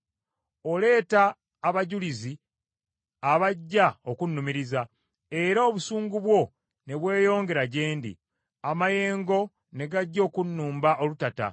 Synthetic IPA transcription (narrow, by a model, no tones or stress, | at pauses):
ole̞ːtaː | βaɟulizi | aβaɟːao̞kunːumiɾiza | e̞ɾaoβusuːŋɡuβwo̞ | ne̞βwe̞ːjo̞ːŋɡe̞ɾaɟeːndḭ | amaje̞ːŋɡo̞ | ne̞ɡaɟːo̞ːkunːuːmbaʔo̞lutata̰